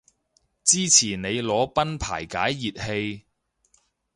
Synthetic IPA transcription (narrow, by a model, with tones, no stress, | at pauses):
t͡siː˥t͡sʰiː˨˩nne˨˧jlɔː˨˧pɐ˥npʰaː˨˩jkaː˨˥jːiː˨t̚he˧j